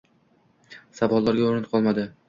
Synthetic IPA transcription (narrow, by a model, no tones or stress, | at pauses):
sabɒlˠːaɾɡʲaoɾɪt̪qʰɒlˠmad̪ɪ